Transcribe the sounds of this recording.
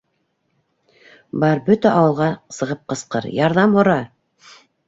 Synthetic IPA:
bɑɾbɵt̪æʔɑwɤ̆lˠʁɑsɤ̆ʁɤp̚qɤ̆sqɤɾjɑɾðɑmhŏɾɑ

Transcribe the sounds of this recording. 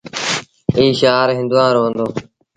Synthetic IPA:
iːʃaːɾɦɪ̃nd̪ʊʋãːɾoːə̃nd̪oː

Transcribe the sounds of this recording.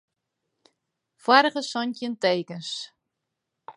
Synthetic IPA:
fwaɾχəsɔntjənteːkəns

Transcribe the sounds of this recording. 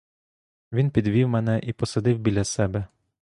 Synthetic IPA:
ʋʲinpʲid̪ʋʲiwmɛnɛʔipɔsɐd̪ɪwbʲilʲɐsɛbɛ

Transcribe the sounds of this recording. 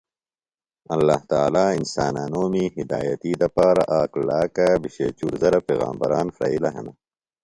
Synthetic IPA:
ɐlːaːht̪aːlaːinsaːnaːnoːmiɦid̪aːjɐt̪id̪ɐpaːɾa̰ʔaːklaːkabiɕḛt͡ɕuɾzɐɾapeːɣa̰ːmbɐ̰ɾaːnfɾɐ̰ilɐɦɐnɐ

